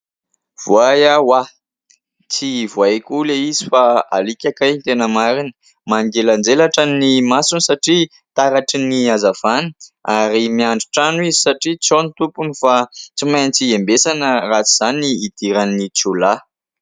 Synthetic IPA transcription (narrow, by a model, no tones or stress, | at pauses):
v̥uajawa | t͡sivuajkuleizifaa̰likʲakajnt̪enəmaɾinə̥ | maŋɡeland͡zelaʈ͡ʂanimasunisaʈ͡ʂi | t̪aɾaʈ͡ʂiniazav̥anə̥aɾimiaɳɖ͡ʐiʈ͡ʂanuizisaʈ͡ʂit͡sonit̪upunifat͡simajnt͡siembesanərat͡siz̥aniːd̪̥iɾanːit͡sula